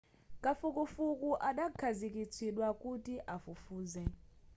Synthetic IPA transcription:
kʼafukufukʼuʔaɗakʰazikʼit͡sʰiɗwakutiʔafufuːzɛ

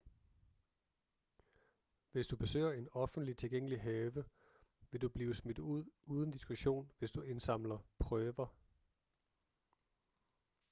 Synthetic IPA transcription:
ʋe̝sd̥ub̥e̝sø̰ːɐe̝nɒ̽fn̩d̥lit͡sʰe̝lɡ̥eŋ̰əliɦɛːʋə | ʋe̝d̥ub̥liːʊsmed̥ð̩ˠuð̰ˠʔuːð̞ˠn̩d̥isɡ̥uɕo̝̰ːnʋe̝sd̥ue̝nsɑ̈m̰lɐpʰʁœːʋɐ

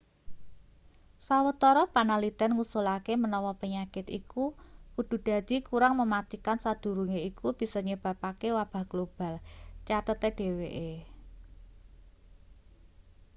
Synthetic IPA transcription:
sawət̪ɔɾɔpanalit̪ɛnŋusulakemənɔwɔpəɲakɪt̪ḭkukud̪̥ṳd̪̥ä̤d̪̥i̤kuɾaŋməmat̪ikansad̪̥ṳɾuŋeikub̥i̤sɔɲəb̥a̤pakewab̥a̤ɡ̥lob̥a̤lt͡ʃat̪ət̪eɖ̥e̤weʔe

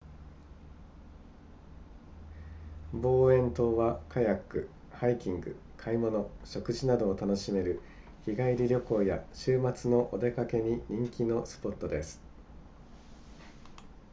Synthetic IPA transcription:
bo̞ːẽ̞nt̪o̞ːβakʰajakːɯ̟ | haikʲĩŋɡɯ̟̰ | kʰaimo̞no̞ɕo̞kɯ̟ʑinad̪o̞ːt̪ano̞ɕime̞ɾɯ̟ | çiɡaiɾʲiɾʲjo̞ko̞ːjaɕɨːmat͡sɨno̞ʔod̪e̞kake̞ɲ̟iɲ̟ĩŋkʲino̞sɨ̥po̞t̪ːo̞d̪e̞sɨ̥

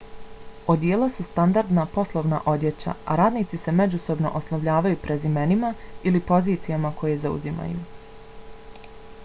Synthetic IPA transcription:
od̪jeːlˠasust̪and̪aɾd̪napo̞slˠoʋna̰ʔo̞d̪je̞t͡ɕa̰a̰ɾaːd̪niːt̪sise̞me̞d͡ʑuso̞bno̞̰ʔosnoʋʎaːʋajupɾʔe̞zime̞nimailipo̞ziːt̪sijamakʰo̞je̞zaṵzima̰jṵ

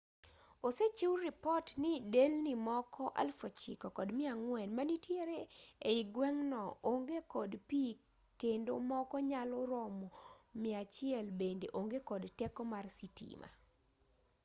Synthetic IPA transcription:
oset͡ʃiwɾɪpɔtnɪdelnimɔkʰɔʔa̰lfot͡ʃḭkɔkɔdmɪaŋwɛnmanitjeɾeeiɡwɛŋnɔoŋɡekɔdpi | kendo̰mɔkɔɲalɔɾɔmɔmɪat͡ʃɪɛlbendeʔoŋɡekɔdtɛkɔmarsitḭma̰

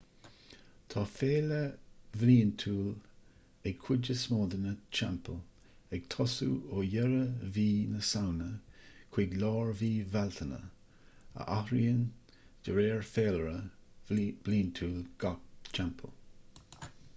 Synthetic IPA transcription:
t̪ʰɑːfeːləvliːnt̪ʰuːl | ɛɡ̚kʰwɪd͡ʒəsmoːd̪ənət͡ʃʰɛ̰mpəl | ɛɡ̥t̪ʰɔsṵoːjɛɾəviːnəsawnəkʰwɪɡlɑːɹviːvalt̪ʰənə̰ | ə̰ʔahɾiən | d̥əɾeːɹfeːləɾə | b̥liːnt̪ʰuːlɡ̥ak̚t͡ʃʰɛmpʰə̰l

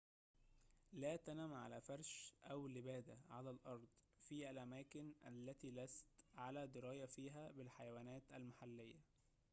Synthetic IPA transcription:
læːt̪ænæːmʕa̰læːfɑɾˤʃʔæwlɪbæːd̪æʕalæːlʔɑɾˤd̪ˤ | fiːælʔæmæːkɪnʔæ̰lːæt̪iːlæst̪ʕalæːd̪ɪɾɑːjæfiːɦæːbɪlħajæwæːnæːt̪ʔælmaħalːɪjːæ

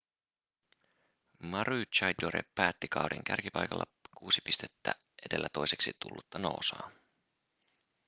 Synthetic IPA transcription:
mɑɾyːt͡ʃɑjd̪oɾḛpːæːt̪ːikɑwɾḭŋk̟ærkipɑjkɑ̰lːɑkuːsi̥pist̪e̞̥t̪ːæ̰ | ʔe̞de̞lːæt̪o̞jse̞ksit̪ṵlːut̪ːɑno̞ːsɑː

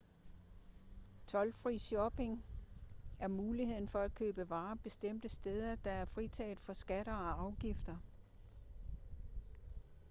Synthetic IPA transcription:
t͡sʰɒ̽lfʁḭːɕɒb̥e̝ŋ | æɐmuːlihe̝ð̰ˠn̩fɒ̽æd̥kʰøːb̥əʋɑ̈ːb̥e̝sd̥em̰d̥əsd̥eːð̞ˠɐd̥ɑ̈æɐfʁit͡sʰɛ̰ːð̩ˠfɒ̽sɡ̥æɾ̥ɐɒ̽ɑ̈ʊɡ̥ifd̥ɐ

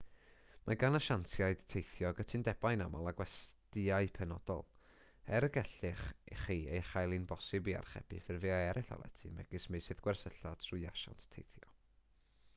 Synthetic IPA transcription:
maɡanaʃantʰjaɨd̥tʰejθjɔɡətʰɨndɛbajnamalˠaɡwɛstɪaɨpʰɛnɔ̰d̥ɔ̰lˠ | ɛɾəɡɛɬɪχχiːejχajlˠinbɔsɨbia̰rχɛ̰b̥ɪ̰fɪrveːaɛɾɪɬɔ̰lˠɛ̰tʰimɛ̰ɡɨsmejsɨðɡwɛrsəɬatʰrʊɨaʃa̰ntʰtʰejθjɔ

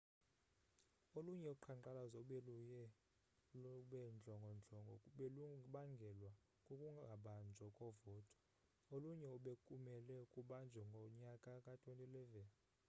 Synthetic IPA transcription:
oluɲɛuǃʰaŋ͡ǃǃalazɔɓelujɛ | ɓɛnd͡ɮʱɔŋɡʱɔnd͡ɮʱɔŋɡʱɔuɓeluɓaŋɡʱɛlwa | kʼokʼuŋɡʱaɓand͡ʒʱɔkʼɔvɔːtʼɔ̥ | oluɲɛuɓekʼumɛlɛkʼuɓand͡ʒʱɛŋɡʱɔɲakʼakʼatʼwentʼilɛvɛni

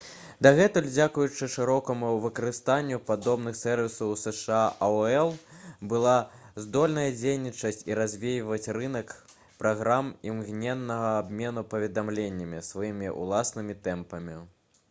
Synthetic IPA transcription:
d̪aɣɛt̪ɨlʲd͡zʲakujut͡ʂɨʂɨɾɔkɐmuwvɨkɐɾɨst̪anʲːupad̪ɔbn̪ɨxsɛrvʲisɐwsɛʂɨaʔɐɛlˠbɨlˠazd̪ɔlʲnɐjɐd͡zʲejnʲit͡ʂɐsʲt͡sʲiɾazʲvʲejvɐt͡sʲrɨn̪ɐk | pɾaɣɾamimɣnʲɛnːɐɣɐabmʲɛn̪upɐvʲɛd̪amlʲenʲːɐmʲisvajimʲiʔṵlˠasnɨmʲit̪ɛmpɐmʲi

